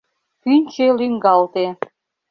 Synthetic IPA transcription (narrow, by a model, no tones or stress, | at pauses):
kynʲt͡ɕelyŋɡɑlt̪e